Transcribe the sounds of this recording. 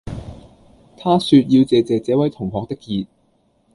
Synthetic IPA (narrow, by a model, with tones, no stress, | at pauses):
t̪ʰaː˥syː˧t̚jiː˧wt͡sɛː˨t͡sɛː˨t͡sɛː˨˥wɐ˨˥jt̪ʰʊ˨˩ŋɦɔː˨k̚t̪ɪ˥kːiː˧t̚